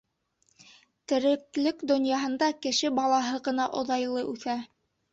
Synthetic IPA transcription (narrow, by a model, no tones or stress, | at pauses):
t̪ɘ̆ɾɘ̆klɘkd̪ŏnjɑɦɤ̆nd̪ɑkɘ̆ʃɘbɑlˠɑɦɤʁɤ̆nɑʔŏðɑjlˠɤʔʉθæ